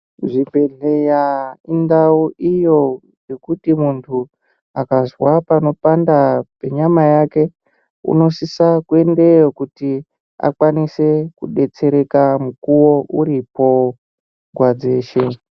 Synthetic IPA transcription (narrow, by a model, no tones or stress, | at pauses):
ʐibʱe̞ɮe̞jaindauʔijo̞ | je̞kutimuntʰu | akazwapano̞pandape̞ɲamajake̞ | ṵno̞sisakue̞ndejokuti | a̰kwanise̞kuɗe̞t͡se̞ɾe̞kamukuwo̞ʔuɾipo̞ | ɡʱwad͡ze̞ːʃe̞